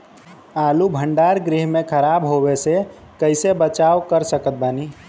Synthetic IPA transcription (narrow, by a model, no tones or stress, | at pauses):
alubʱəɳɖaɾɡɾiɦmẽkʰəɾabɦobese | kəɪsebət͡ʃaokəɾsəkət̪̚bani